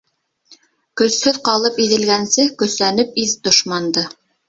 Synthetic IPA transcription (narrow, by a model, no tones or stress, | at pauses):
kɵ̆shɵðqɑlˠɤpiðɘ̆lɡænsɘkɵ̆slænɘp̚iðd̪ŏʃmɑnd̪ɤ